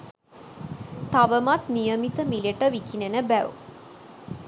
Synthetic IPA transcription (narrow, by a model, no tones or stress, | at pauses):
t̪aʋəmat̪nijəmit̪əmiləʈəʋikinenəbæʋṵ